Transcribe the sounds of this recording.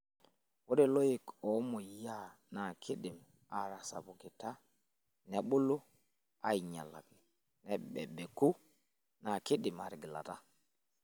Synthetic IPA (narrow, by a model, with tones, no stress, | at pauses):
wo˦de˦˨lo˦ji˨kɔ˨˦mɔ˨ja˦˨na˨kʰi˦ɗɪ˨m | a˨ɾa˨sa̰˨bʊ˨kɪ˨ta˦ | nɛ˨˦ɓu˦lo˦ | a̰˦i˨ɲa̰˨la̰˨ki˨ | nɛ˨˦ɓɛ̰˨ɓɛ˨ku˦ | na˨kɪ˦ɗɪ˨ma̰˨ɾɡi˨la̰˨ta˦